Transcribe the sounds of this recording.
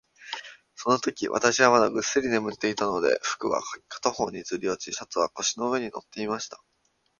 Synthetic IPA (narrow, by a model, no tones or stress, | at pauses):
so̞no̞t̪o̞kʲiβʔa̰t̪aɕiβamad̪aɡɯ̟sɨɾʲine̞mɯ̟t̪ːe̞it̪ano̞d̪e̞̰ɸɯ̟̥kɯ̟βa̰kʰḁt̪oho̞ːɲ̟izɨɾʲio̞t͡ɕiɕot͡sɨβako̞ɕino̞ɯ̟βe̞ɲ̟ino̞̰t̪ːe̞imaɕi̥t̪ḁ